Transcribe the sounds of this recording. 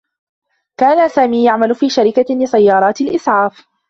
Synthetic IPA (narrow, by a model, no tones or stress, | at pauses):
kaːnasaːmiːjaʕmalʊfiːʃaɾɪkalɪsajːɑːɾˤɑːt̪ɪlʔɪsˤʕɑːf